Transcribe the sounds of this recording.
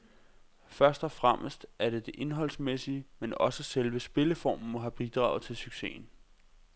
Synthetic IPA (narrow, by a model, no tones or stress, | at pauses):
fɶɐsd̥ɒfʁamʔəsd̥æɐɾ̥e̝d̥e̝ʔe̝nɦɒ̽l̰smesiəmenɒ̽səselʋəsb̥e̝ləfɒ̰ːmn̩mɒ̽ɦæb̥id̥ʁɑ̰̈ʊt͡sʰe̝lsyɡ̥se̝̰ːn̩